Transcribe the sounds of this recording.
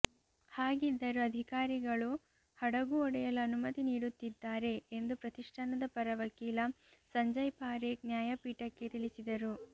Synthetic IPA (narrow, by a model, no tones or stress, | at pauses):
haːɡid̪ːɐɾuɐd̪ʱikaːɾiɡɐɭu | hɐɽɐɡuɔɽɛjɐlɐːnumɐt̪iniːɽut̪ːid̪ːaːɾe̞end̪upɾɐt̪iʂʈʰɐnɐd̪ɐpɐɾɐʋɐkiːlɐ | sɐɲd͡ʒɐjpaːɾeknjaːjɐpiːʈɐkːe̞t̪ilisid̪ɐɾu